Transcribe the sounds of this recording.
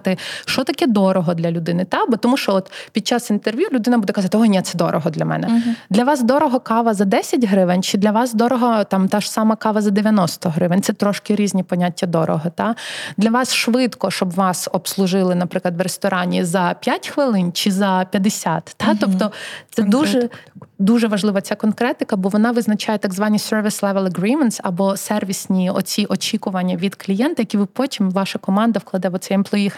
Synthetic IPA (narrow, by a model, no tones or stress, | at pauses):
t̪ɪʃt͡ʃɔt̪ɐkɛd̪ɔɾɔɦɔd̪lʲɐlʲʊd̪ɪnɪt̪abɔt̪ɔmuʃt͡ʃɔɔt̪pʲid̪̚t͡ʃɑsint̪erʋʲjulʲʊd̪ɪnɐbud̪ɛkɐzɑt̪ɪɔnʲɛt̪sɛd̪ɔ̰ɾɔ̰ɦɔd̪lʲɐmɛ̰nɛd̪lʲɐʋɑsd̪ɔɾɔɦɔkɑʋɐzɐd̪ɛsʲɐtʲɦɾɪʋɪnʲt͡ʃɪd̪lʲɐʋɑsd̪ɔɾɔɦɔt̪ɑmt̪aʒ̥sɑmɐkɑʋɐzɐd̪eʋʲjɐnɔst̪ɔɦɾɪʋɪnʲt̪sɛt̪ɾɔʃkɪɾʲizʲnʲipɔnʲatʲːɐd̪ɔɾɔ̰ɦɔt̪ɑd̪lʲɐʋɑsʃʋɪt̪kɔʃt͡ʃɔbʋɑsɔpslˠʊʒɪlˠɪnɐpɾɪklˠɐd̪ʋɾest̪ɔɾʔɑnʲizɐpʲjatʲxʋɪlˠɪnt͡ʃɪzɐpʲjɐd̪esʲat̪ːɑt̪ɔpt̪ɔt̪sɛd̪uʒɛd̪uʒɛʋɐʒlˠɪʋɐt͡sʲakɔnkɾɛt̪ɪkɐbɔʋɔnɑʋɪznɐt͡ʃajɛt̪ɐɡzʋɑnʲːisɛrʋʲislˠɛʋɛlˠɐɡɾimɛnt̪sɐbɔsɛrʋʲisʲnʲiɔt͡sʲiʔɔt͡ʃʲikʊʋɐnʲːɐʋʲid̪klʲijɛnt̪ɐjɐkʲiʋɪpɔtʲimʋɑʃɐkɔmɑnd̪ɐʋklˠɐd̪ɛʋɔt̪sɛjɛmplˠɔix